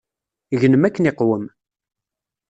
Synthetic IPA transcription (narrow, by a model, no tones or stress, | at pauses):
ʝənəmækːənɪqwəm